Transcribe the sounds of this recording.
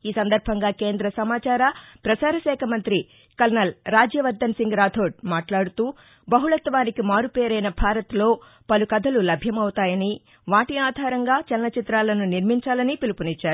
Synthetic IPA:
iːsɐnd̪ɐɾbʱɐŋɡaːke̞ːnd̪ɾɐsɐmaːt͡ʃaːɾɐpɾɐt͡ʃaːɾɐʃɛːkʰɐmɐnt̪ɾi | kɐlnɐlɾaːd͡ʒjɐʋɐɾd̪ɐnsiŋɡɾaːd̪ʱʰoːɖ̚maːʈlaːɽut̪uː | bɐɦuɭɐt̪ʋaːnikimaːɾupeːɾɐjnɐbʱaːɾɐt̪lo̞ː | pɐlukɐd̪ʱɐlulɐbʱjɐmɐwt̪aːjɐni | ʋaːʈiaːd̪ʱaːɾɐŋɡaːt͡ʃɛlnɐt͡ʃit̪ɾaːlɐnuniɾmiɲt͡ʃaːlɐnipilupunit͡ʃːaːɾu

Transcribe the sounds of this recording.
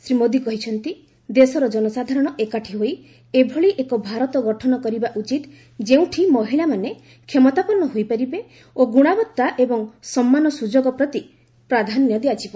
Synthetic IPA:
sɾimod̪ikɔɦit͡ʃʰɔnt̪i | d̪esɔɾɔd͡ʒɔnɔsad̪ʱaɾɔɽ̃ɔʔekaʈʰiɦoj | ebʱɔɭiʔekɔbʱaɾɔt̪ɔɡɔʈʰɔnɔkɔɾibaʔut͡ʃit̪ | d͡ʒeũʈʰimɔɦiɭamane | kʰemɔt̪apɔɾnːɔɦojpaɾibe | oɡuɽ̃abɔt̪ːaʔebɔŋsɔmːanɔsud͡ʒoɡɔpɾɔt̪i | pɾad̪ʱanjɔd̪eat͡ʃʰibɔ

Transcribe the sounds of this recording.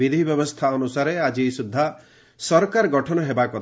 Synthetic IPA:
id̪ʱibjɔbɔst̪ʰaɔnusaɾead͡ʒisud̪ʱːa | sɔɾkaɾɔɡɔʈʰɔnɔɦebakɔ

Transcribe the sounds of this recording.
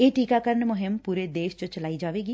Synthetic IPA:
eːʈiːkaːkəɾnmʊɦɪmpuːɾeːd̪eːʃt͡ʃət͡ʃəlaːiːd͡ʒaːʋeːɡiː

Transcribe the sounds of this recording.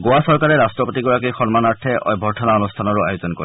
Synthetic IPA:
ɡowasɔɹkaɹɛɹastɹɔpotiɡɔɹakixɔnmanaɹtʰɛɔ̰jbʱɔɹtʰɔnaɔnustʰanɔɹʊa̰jozɔnkɔ̰ɹi

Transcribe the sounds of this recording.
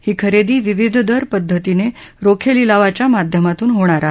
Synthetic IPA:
hiːkʰəɾed̪iːʋiʋid̪ʱd̪ʱəɾpəd̪ʱːət̪ineɾokʰelilaʋat͡ɕjamad̪ʱjəmat̪uːnɦoɽ̃aɾa

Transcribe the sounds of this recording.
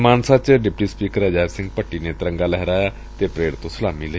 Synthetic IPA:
maːnsat͡ʃəɖɪpʈiːspiːkəɾɛd͡ʒaːɾsɪ̃ŋɡ̚pəʈːiːnet̪ɾə̃ŋɡaːlɛɦɾaːjaː | t̪epɾeːɽt̪õsəlaːmilə

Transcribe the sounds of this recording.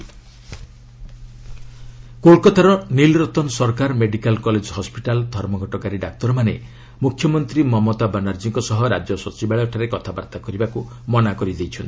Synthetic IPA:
koɭkɔt̪ʰaɾɔnilɾɔt̪ɔnsɔɾkaɾmeɖikalkɔled͡ʒɔɦɔspiʈald̪ʱɔɾmɔɡʱɔʈɔkaɾiɖak̚t̪ɔɾɔmane | mukʰjɔmɔnt̪ɾimɔmɔt̪abanaɾd͡ʒiŋkɔsɔɦɔɾad͡ʒjɔsɔt͡ʃibaɭɔʈʰaɾekɔt̪ʰabaɾt̪akɔɾibaku | mɔnakɔɾid̪ejt͡ʃʰɔnt̪ʰi̥

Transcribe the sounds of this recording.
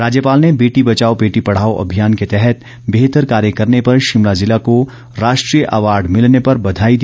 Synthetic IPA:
ɾaːd͡ʒjəpaːlnebeːʈibɐt͡ʃaːobeːʈipɐɽ̤aːoʔɐ̰bʱijaːnket̪ɛɦɛt̪ | beːɦt̪əɾkaːɾjəkɐɾnepɐɾʃɪmɽazɪlako | ɾaːʃʈɾijəʔɐʋaːɾɖmɪlnepɐɾbɐd̪ʱaːid̪i

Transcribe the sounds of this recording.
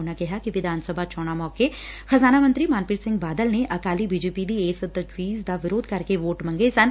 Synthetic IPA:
nakɛɦakiʋɪd̪ʱaːnsəbʱat͡ʃɔːɽ̃amɔːke | xɐzaːnamə̃nt̪ɾimaːnpɪːʈ̪sɪ̃ŋɡbaːd̪əlneʔɐkaːlibiːd͡ʒeːpid̪ieːsət̪ɐd͡ʒʋiːzd̪aʋɪɾoːd̪̚kɐɾkeʋoːʈmɐ̃ŋɡesɐn

